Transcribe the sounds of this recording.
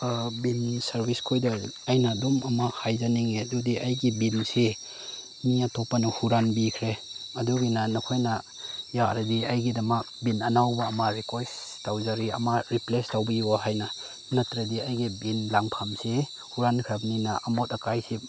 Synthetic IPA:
binsaɾbiskʰojdaajnadumamahajzaniŋedudiʔajɡibinse | miatʰɔpːanuhuɾanbikʰɾeɐduɡinanɔkʰojna | jaɾediajɡidɐma | binɐnawbaːmaɾikajs | tawzaɾia̰maɾiplestawbɐjuaɦajna | natɾediajɡibinlaŋpʰamse | huɾankʰɾabninaʔamotakajsi

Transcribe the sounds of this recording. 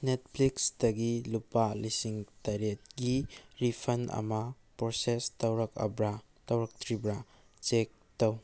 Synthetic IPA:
net̚pʰliksdɐɡilupalisiŋtaɾet̚ɡiɾipʰɐnʔɐ̰mɐ | pɾosestɐwɾɐkɐ̰bɾa | tɐwɾɐk̚tʰɾibɾa | t͡ʃek̚tɐw

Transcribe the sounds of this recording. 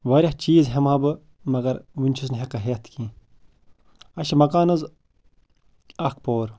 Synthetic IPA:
ʋɐɾʲɐht͡ʃiːzɦemaːbɨ | mɐɡɐɾʋunʲt͡ʃʰus̬nɦekɐɦeːt̪ʰkĩː | ɐʃɐmɐkaːnɐz | ɐkpoːɾ

